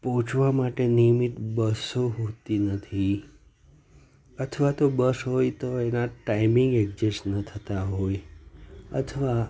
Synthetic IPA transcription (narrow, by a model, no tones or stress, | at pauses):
pɔɦũt͡ʃʰʋamaʈenijmit̪bəsoɦot̪inət̪ʰi | ət̪ʰʋat̪obəsɦojt̪oenaʈaimiŋɡekd͡ʒesnət̪ʰət̪aɦoj | ə̰t̪ʰəʋa